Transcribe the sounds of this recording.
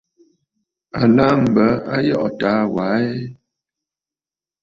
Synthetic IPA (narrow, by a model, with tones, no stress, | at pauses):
a˨la˦m̩˨bə˨˦a˦jɔ˦ʔɔ˨ta˨˦wa˨˦e˦